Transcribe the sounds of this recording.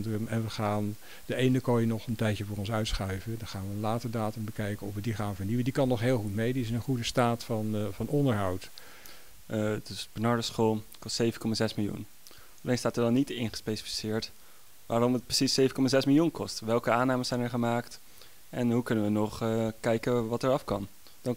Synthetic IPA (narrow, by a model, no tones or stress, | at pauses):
dəmɛnʋəχaːn | d̥əejnəkojənɔχəntɛjtjəvʊːrɔnsœɥtsχœɥvədɑnχaːnʋəənlaːtəɹdaːtəmbəkɛjkəɔfʋədiχaːnvəɹniʋəndikɑnːɔχɦeːlˠχutmejdiɪsənχudəstaːtfɑnvɑnɔndəɹɦɑwt | dəsb̥ənɑɹdəsχoːlˠkɔstsejvənkɔmaːzɛsmɪlˠjṵn | ɑlejnstaːtəɹdɑnːitɪnχəspejsi̥fi̥sɪːɹt | ʋaːɾɔmət̚prə̥sisejvəkɔmazɛsmɪlˠjunkɔstʋɛlˠkəaːnaːmənzɛjnɛɹχəmaːkt | ɛnɦukɵnəʋənɔχkɛjkəʋɑtɛɹɑfkɑn | d̥ɑn